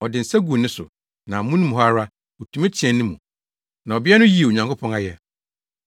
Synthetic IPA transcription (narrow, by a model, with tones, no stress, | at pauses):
ɔ˨dɪ˨n̩˨sɛ˦ɡu˨nɪ̃˦sʊ̰˨ | nã˨mũ˦nũ˦mũ˨ɦa˦ɾa˦ | o˨tʰũ˦mẽ˦t͡ɕʰɛ̃˨nːɪ̃˦mũ˨ | nã˨ɔ˨bɪ˦ɛ˦nʊ̃˦ji˨e˨o˨ɲã˨ŋkʰo˦pʰɔ̃˦ŋa˦jɛ˨